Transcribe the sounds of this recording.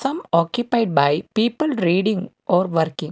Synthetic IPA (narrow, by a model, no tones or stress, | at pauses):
sɐ̃mɔːkjʊpaɪɖ̚baɪpiːpəlɾiːɖĩŋ | ɔːɾʋɐɾkɪ̃ŋ